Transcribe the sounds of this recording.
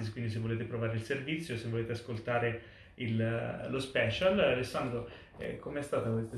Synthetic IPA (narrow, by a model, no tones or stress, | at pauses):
is̬kwind̪is̬evːoleːt̪epɾovaːɾeilservit̪sːjosevːoleːt̪easkolt̪aːɾe | illospɛːt͡ʃalalesːand̪ɾo | ɛ̰kʰomeɛst̪aːt̪akwest̪a